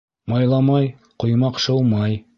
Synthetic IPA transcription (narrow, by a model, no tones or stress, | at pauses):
mɑjlˠɑmɑj | qŏjmɑqʃɤlˠmɑj